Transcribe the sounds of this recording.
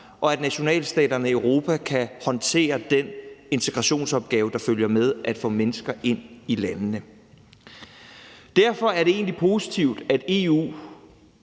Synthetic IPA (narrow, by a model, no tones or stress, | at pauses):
ʔɒ̽æd̥næɕo̝nɛ̰ːlsd̥ɛ̰ːd̥ɐnəiøʊʁo̝ːpʰækʰæhɒ̽nt͡sʰe̝̰ːɐd̥ene̝nt͡sʰe̝ɡ̥ʁɑ̈ɕo̝̰ːnsɒ̽b̥̚ɡ̥ɛːʊəd̥ɑ̈føljɐmeð̞ˠʔæd̥fɔ̰̽ːmenəsɡ̥ɐʔe̝n̰ilænːə | d̥æɐ̰fɒ̽æɐɾe̝e̝̰ːn̩lipʰo̝sit͡sʰiʊ̰d̥æd̥e̝ṵː